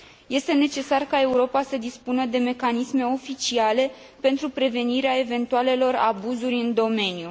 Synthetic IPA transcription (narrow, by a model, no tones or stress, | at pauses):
je̞st̪e̞ne̞t͡ʃe̞sarkae̞uɾo̞pasəd̪ispunəd̪e̞me̞kanisme̞o̞fit͡ʃiale̞ | pe̞nt̪ɾupɾe̞ve̞niɾeae̞ve̞nt̪uale̞lo̞ra̰buzurʲɨnd̪o̞me̞nju